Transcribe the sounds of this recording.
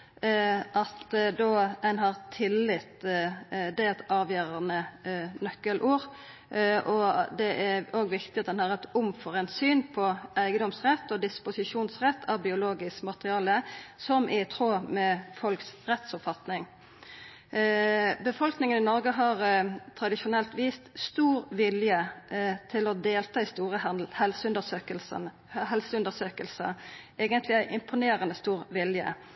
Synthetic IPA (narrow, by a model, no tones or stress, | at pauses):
ʔɑt̪d̪oːd̪ɛnɦɑʁt̪ʰɪlːɪt̪ | d̪ɛɛt̪ɑːʋjøːɾɑnənœkːəlʔuːʁ | ʔɔd̪ɛʔæoːɡʋɪkt̪ɪɑt̪̚d̪ɛnhɑʁɛt̪ʊmfɔʁɛnsyːnpʰɔʔæɪɡəd̪ɔmsʁɛt̪ːɔd̪ɪspʊsɪʂuːnsʁɛt̪ʰːɑʋbɪʊloːɡɪskmɑt̪əʁɪɑːləsɔmʔɪt̪ʰɾoːmɛfɔlksʁɛt̪sɔpfɑt̪nɪŋ | bəfɔlknɪŋənɪnɔʁɡəɦɑʁt̪ʰʁɑd̪ɪʃʊnɛlt̪ʋiːst̪st̪uːʁʋɪljət̪ʰɪlɔd̪eːlt̪ʰɑːɪst̪uːʁəhɛlsʉnd̪əsøkəlsən | ɦɛlsəʉnd̪əsøːkəlsə̰ʔeːɡənt̪ʰlɪæɪʔɪmpʰʊneːɾənəst̪uːʁʋɪljə̰